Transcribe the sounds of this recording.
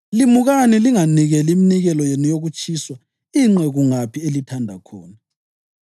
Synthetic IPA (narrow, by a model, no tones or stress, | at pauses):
limuɣaniliŋaniɣɛliminiɣɛlɔjenujoɣut͡ʃʼʰiːswa | iŋ͡ǀɛɣuŋapʰielitʰandʱa̰kʰɔːna